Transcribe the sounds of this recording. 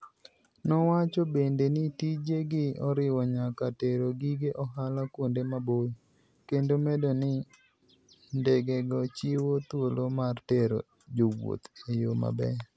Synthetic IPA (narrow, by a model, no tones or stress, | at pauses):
nɔwat͡ʃɔbendenɪtid͡ʒeɡɪɔɾɪwɔɲakateɾoɡiɡeʔɔɦalakwondemaboj | kendomedonɪ | ndɛɡɛɡɔt͡ʃɪwot̪wolomarteɾo̰ | d͡ʒowo̰t̪ejoma̰bɛ̰